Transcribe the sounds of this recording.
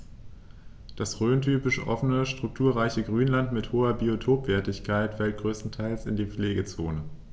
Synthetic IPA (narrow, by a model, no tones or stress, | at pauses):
d̥asʁøːntʰyːpɪʃʔɔfənəʃtʁ̥ʊk̚tʰuːɐʁaɪçəɡʁyːnlantmɪthoːɐbiotʰoːpv̥ɛːɐtɪçkʰaɪtfɛlt̚ɡ̥ʁøːstn̩tʰaɪlsɪndiːp͡fleːɡət͡soːnə